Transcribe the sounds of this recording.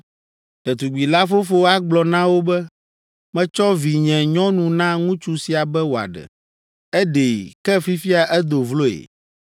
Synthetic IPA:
t̪ɛ˨t̪u˨ɡ͡bi˨la˦fo˦fo˦a˦ɡ͡blɔ˨nã˦wo˦bɛ˦ | mɛ̃˦t͡ʃɔ˦vi˨ɲɛ̃˨ɲɔ̃˦nũ˨nã˦ŋũ˦t͡ʃu˦si˨a˨bɛ˦wo˨a̰˨ɖɛ̰˨ | ɛ˦ɖe˨kɛ˦fi˦fi˦a˨ʔɛ˦d̪o˨vlo˦ḛ˨

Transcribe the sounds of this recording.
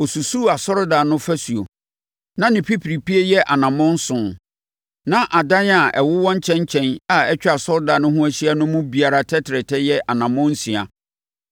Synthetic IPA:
o˨su˨su˦˨a˨sɔ˦ɾda˨nʊ̃˦fæ˦su˨o̰˨ | nã˦nɪ̃˨pʰi˦pʰɾi˨pi˦e˦jɛ˦ʔa˨nã˨mʊ̃˦n̩˦sʊ̃˨n | nã˦ʔa˨dã˦n˦a˨ɛ˨wʊ˦wɔ̃˦ɲ˦t͡ɕʰɛ̃˦n˦t͡ɕʰɛ̃˦na˦˨ɛ˦t͡ɕᶣɛ˦a˨sɔ˦ɾda˨nʊ̃˦ɦʊ̃˦æ˦ɕi˦a˦nʊ̃˦mʊ̃˦bi˨a˨ɾa˦tʰɛ˦tʰɪ˨ɾɛ˨tʰɛ˦jɛ˦ʔa˨nã˨mʊ̃˦n̩˦sĩ˨a̰˨

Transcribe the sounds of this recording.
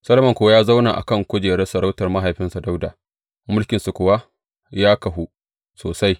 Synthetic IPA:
sɐ˦lɐ˦mɐ˨ŋkʷʊ˦a˦jaː˦za˦wnaː˨ʔa̰˨kɐ˦˨ŋkʷʊ˦d͡ʒeː˨ɽɛ˦sɐ˨ɽa˦wtɐ˨rma˦ɦa˨jɸɪ˦nsa˨da˦wdaː˨ | mʊ˦lkʲɪ˨nsu˨kʷʊ˨wa˦ | jaː˦kɐ˨ɦu˦ | soː˨sa˦j

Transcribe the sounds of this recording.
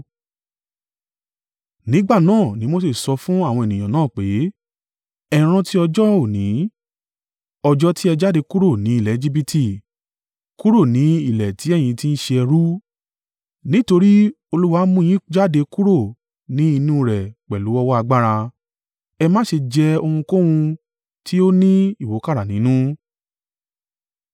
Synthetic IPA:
nĩ˨˦ɡ͡ba˦˨nãː˦˨nĩ˨˦mo˦se˦˨sɔ˧fũ˦a˦˨w̃ɔ̃˧e˨nĩ˨j̃ã˨nãː˦˨k͡pe˨˦ | ɛ˨ɾ̃ã˧ti˦ɔ˧d͡ʒɔ˦o˦˨nĩ˨˦ | ɔ˧d͡ʒɔ˦ti˦ɛ˧d͡ʒa˦de˧ku˦ɾo˦˨nĩ˨˦i˦˨lɛ˨˦d͡ʒi˦˧bi˧tʰi˨ | ku˦ɾo˦˨nĩ˨˦i˦˨lɛ˨tʰi˨˦ɛ˦˨j̃ĩ˧ti˦n̩˦ʃe˧ɛ˧ɾu˦ | nĩ˦to˧ɾi˦ | o˧lu˦wa˦mũ˦˧j̃ĩ˦d͡ʒa˦de˧ku˦ɾo˦˨ | nĩ˦i˧nũ˦ɾɛ˨k͡pɛ˨lu˨˦ɔ˦wɔ˦a˧ɡ͡ba˦ɾa˧ | ɛ˧mã˦ʃe˧d͡ʒɛ˧o˧hũ˧ko˦w̃ũ˧ | tʰi˦o˦nĩ˦i˦˨wo˨˦ka˦ɾa˨nĩ˨˦nũ˦

